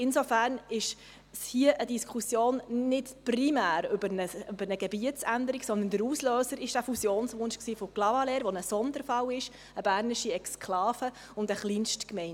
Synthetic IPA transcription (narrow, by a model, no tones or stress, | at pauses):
ɪnsofæːɾnɪʃ | shiəʔədiskʰχusjoːnnɪtprimæːɾʏbəɾnəʏbəɾnəɡɛbiətt͡sænd̪əɾiksɔndəndəɾuːsløːsəɾɪʃd̥æfusjoːnsʋʊnʃksiːfɔklɑvɑleːɾʋonəsɔnd̪əɾfɑwɪʃ | əbæːɾnɪʃiɛkskʰlɑːfə | ʊndəχliːnʃtkmɛɪn